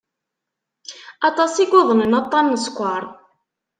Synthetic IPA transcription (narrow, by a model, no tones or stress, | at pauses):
ɑt̪ˤɑsiɡʷʊðˤənənɑt̪ˤːɑnːəskʷːɑɾˤ